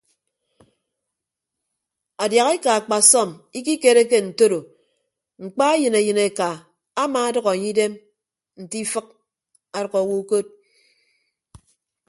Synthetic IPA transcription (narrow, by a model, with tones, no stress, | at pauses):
a˨dja˨ɣe˦ka˨a˨k͡pa˨sɔ˦˨mi˦k̬i˦ke˦ɾe˦k̬e˦n̩˨to˦ɾo˨ | ŋ͡m̩˨k͡pa˦e˦jɨ˨ne˨jɨ˨ne˨kaː˨˦ | ma˨a˦dʌ˦ɣa˨a˨ɲi˦i˦de˦m | n̩˨ti˦fɨ˦k̚ | a˨ɾʌ˨kɔ˨wu˦ko˦t̚